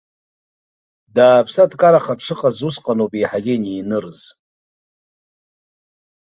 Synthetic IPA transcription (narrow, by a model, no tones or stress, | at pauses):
daːpʰsadkʼaɾaχaʈ͡ʂʰɨqʼazusqʼanopʼiħaɡʲɪniːnɨrz̥